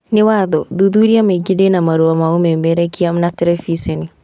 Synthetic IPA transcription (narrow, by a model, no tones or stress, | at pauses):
nɪwaðɔðuðuɾiameɡidenamaɾuwamaumɛmbɛɾɛkiamnatɾɛfisɛni